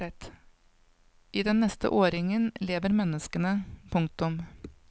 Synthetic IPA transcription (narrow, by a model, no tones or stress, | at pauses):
ɛt̪ | ʔiːd̪ɛnːɛst̪ə̰ʔoːɾɪŋənleːʋəɾmɛnːəskənəpʰʊŋk̚t̪ʊm